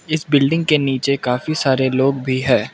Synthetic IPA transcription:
ɪsbɪlɖɪ̃ŋɡ̚keniːt͡ʃekaːfisaːɾeloːɡbʱiɦɛ̃ː

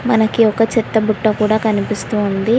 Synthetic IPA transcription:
mɐnɐkiɔkɐt͡ʃɛt̪ːɐbuʈːɐkuːɽaːkɐnipist̪uːnd̪i

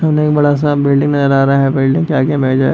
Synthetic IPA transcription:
ɦɐmneːkbɐɽas̬abɪlɖɪ̃ŋɡnɐzəɾaːɾaɦɛbɪlɖɪ̃ŋɡkjaːkjabʱeːd͡ʒaːe

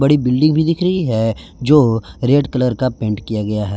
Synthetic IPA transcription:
bɐɽibɪlɖɪ̃ŋɡbʱid̪ɪkʰɾəɦiɦɛ | d͡ʒoːɾeːɖkɐləɾkapẽːɳʈkijaɡɐjaɦɛː

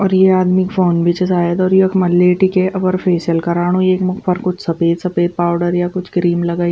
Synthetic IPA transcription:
ɔːɾjeaːd̪mikfoːnbʱit͡ʃəsaːjət̪ɔːɾjekʰmɐlːeːʈikeʔɐʋəɾfʰeːsəlkɐɾaːɽ̃õeːkmʊxpəɾkʊt͡ʃʰsɐpeːt̪sɐpeːt̪̚paːʊɖəɾjakʊt͡ʃʰɡɾiːmlɐɡaː

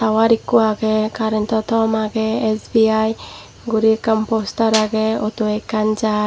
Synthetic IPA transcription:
tawaɾikːuaɡɛkaɾent̪ɔt̪ɔmaɡɛesbiaj | ɡuɾikampost̪aɾaɡeɔt̪uekand͡ʒa

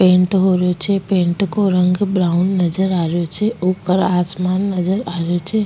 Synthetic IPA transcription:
pẽːɳʈɦoɾot͡ʃʰepẽːɳʈkoɾə̃ŋɡbɾaːʊnːəd͡ʒəɾaːɾjot͡ʃʰeuːpəɾaːsmaːnːəd͡ʒəɾaːɾjot͡ʃʰe

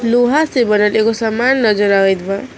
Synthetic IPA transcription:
loɦasebʌnʌlekosʌmːanːʌd͡zʌɾaed̪ba

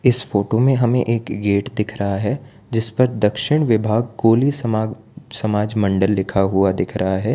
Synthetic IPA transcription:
ɪsfoːʈomẽɦɐmḛ̃ʔeːkɡeːʈd̪ɪkʰɾɐɦaɦɛ | d͡ʒɪspɐɾd̪ɐkʃɪɽ̃ʋɪbʱaːɡ̚koːlis | sɐmaːd͡ʒmɐ̃ɳɖəlːɪkʰaɦuad̪ɪkʰɾʔɐɦaɦɛː

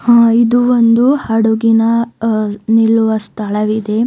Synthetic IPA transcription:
haːid̪uʋond̪uhɐɽuɡinɐ | nilːuʋɐst̪ʰɐɭɐʋid̪e̞

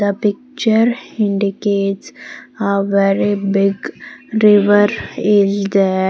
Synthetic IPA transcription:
əpɪk̚t͡ʃəɾɪ̃ɳɖikeːʈsaʋɛɾibɪɡɾiʋəɾeld̪ɛ

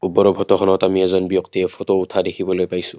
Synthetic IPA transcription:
ubɔɾɔbʱɔtɔkʰɔnɔtamiɛzɔnbijɔktiɛfʰɔtɔutʰadekʰibɔlojpajsʊ̥

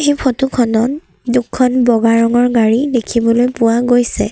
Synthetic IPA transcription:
ejpʰɔtukʰɔnɔn | dukʰːɔnbɔɡaɹɔŋɔɹɡaɹidekʰibɔlojpʊwaɡojsɛ̰

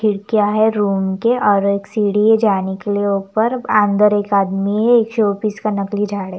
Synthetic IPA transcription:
ɪɽkijaɦɛɾuːmkeʔɔːɾeːksiːɽied͡ʒaːnekelieuːpəɾãnd̪əɾeːkaːd̪miɦɛeːkʃoːpiskanɐklid͡ʒʱaːɽe

